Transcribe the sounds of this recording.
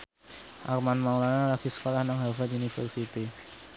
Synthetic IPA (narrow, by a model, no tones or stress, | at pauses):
ʔa̰rmanmawlanalakisə̥kolahnaŋɦafat̪unifərsit̪i